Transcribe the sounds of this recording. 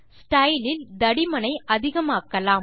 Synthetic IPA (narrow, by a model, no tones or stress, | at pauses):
sʈɐɪlɪld̪ɐɽɪmɐnɐɪʔɐðɪɣɐmaːkːɐlaːm